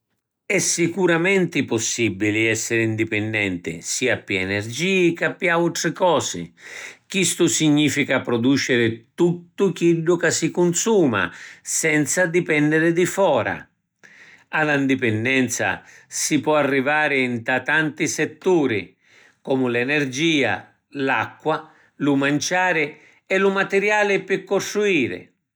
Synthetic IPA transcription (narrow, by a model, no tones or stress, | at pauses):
ɛsːikuɾamɛnt̪ɪpɔsːibːilɪɛsːɪɾɪind̪ipɛnd̪ɛnt̪ɪ̰siːapːiɛnɛrd͡ʒiːkapːjaut̪ɾɪkɔːsɪ̰k̟ist̪ʊsiɲːiːfikapɾɔd̪uːt͡ʃɪɾɪt̪ut̪ːʊk̟iɖːʊkasikʊnsuːma̰sɛnt̪sad̪ipɛnːd̪ɪɾɪd̪ifɔːɾa̰ | aland̪ipɛnd̪ɛnt̪sa̰sipwɔarːivaːɾɪnt̪at̪ːant̪isɛt̪ːuːɾḭ | kɔːmʊlɛnɛrd͡ʒiːa̰ | lakːwa | lumant͡ʃaːɾɪ | ɛlʊmat̪ɛɾjaːlɪpɪkːɔst̪ɾuiːɾɪ̰